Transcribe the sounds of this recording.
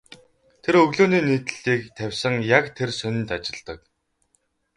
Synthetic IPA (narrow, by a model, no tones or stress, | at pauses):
t̪ʰeɾɵɣɮoːniːniːt̪ɘ̆ɮiːkt̪ʰæwʲsə̆ŋjakt̪ʰersɵnʲɪ̆nt̪at͡ɕɪ̆ɮt̪ə̆k̚